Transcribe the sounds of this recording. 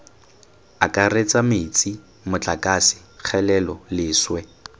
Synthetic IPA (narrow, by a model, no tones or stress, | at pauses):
akʼaret͡sʼamɪt͡sʼi | mʊt͡ɬʼakʼasɪ̥ | k͡xʰɛlɛlɔlɪːswɛ